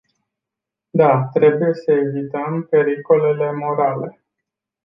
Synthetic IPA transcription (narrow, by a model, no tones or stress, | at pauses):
d̪at̪ɾe̞buje̞səevit̪əmpe̞ɾiko̞le̞le̞mo̞ɾale̞